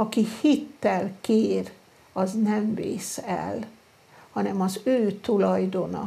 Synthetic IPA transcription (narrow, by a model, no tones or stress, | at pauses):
ɒkihit̪ːɛlkeːr | ɒznɛɱvḛːsɛ̰l | hɒnɛmɒzøːt̪ulɒjd̪o̞nɒ̰